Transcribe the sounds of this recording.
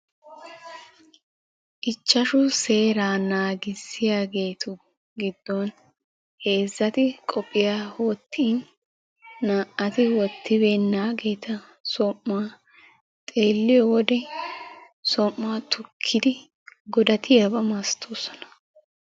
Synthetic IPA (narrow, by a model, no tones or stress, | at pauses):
ʔɪt͡ʃːɐʃʊse̞ːɾaːnaːɡɪsɪjaːɡe̞ːt̪ʰʊ | ɡɪd̪ːɔn | he̞ːzːɐt̪ɪkʼɔpʼːɪjaːhoːt̪ʰːiːnː | aːʔɐt̪ɪwɔt̪ːɪbeːnːaːɡe̞ːt̪ɐ | sɔmːaː | t̪ʼe̞ːlːɪjɔwɔd̪ɛ | sɔmːaːt̪ʊkʰːɪd̪ɪ | ɡɔd̪ɐt̪ʰɪjɐbɐmast̪ʰoːsɔ̥nɐ̥